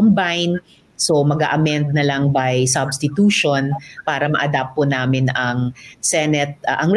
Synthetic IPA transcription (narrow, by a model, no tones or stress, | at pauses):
ombajn | somɐɡa̰ʔɐmɛnd̪̚nɐlɐŋbɐjsɐbst̪ɪt̪uːʃonpaːɾɐmɐ̰ʔɐd̪ap̚pːonaːmɪnɐŋsɛnɛt̪̚ʔɐŋ